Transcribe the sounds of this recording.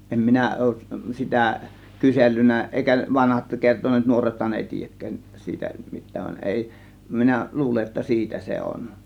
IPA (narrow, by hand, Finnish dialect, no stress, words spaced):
em minæ oˑuʔ sitæ kyselːynˑæ ʔeˑikæ ʋɑnhɑt kertonˑeːt nuorethɑn eˑi tiːjækːæːn siːtæ mitˑæːn ʋɑn eˑi minæ luːle etːæ siːtæ se on